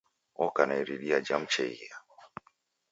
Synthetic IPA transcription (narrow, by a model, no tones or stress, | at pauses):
ɔkanaiɾiɗiad͡ʒam̩t͡ʃɛia